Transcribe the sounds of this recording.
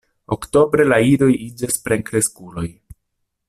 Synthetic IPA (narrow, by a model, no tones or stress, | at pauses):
okto̞bɾe̞laiɾo̞jid͡ʒaspɾeŋkɾe̞skulo̞j